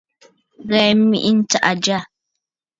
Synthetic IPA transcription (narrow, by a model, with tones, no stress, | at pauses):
ɣɛ˨˦mi˦ʔi˦n̩˦ta˦ʔa˨d͡ʒa˦˨